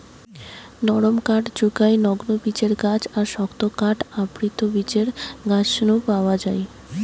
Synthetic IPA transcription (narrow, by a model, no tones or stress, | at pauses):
nɔɽomkaʈd͡ʑukaenɔɡnobit͡ɕeɾɡat͡ɕaɾʃɔkt̪okaʈapɾit̪obit͡ɕeɾɡat͡ɕʃnupaoad͡ʑae